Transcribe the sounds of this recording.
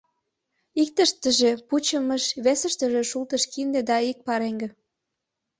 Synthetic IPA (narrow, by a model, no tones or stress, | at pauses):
ik̚t̪əʃt̪əʒeput͡ɕə̆məʃβesə̆ʃt̪ə̆ʒĕʃult̪ə̆ʃkind̪ĕd̪ɑik̚pɑɾeŋɡĕ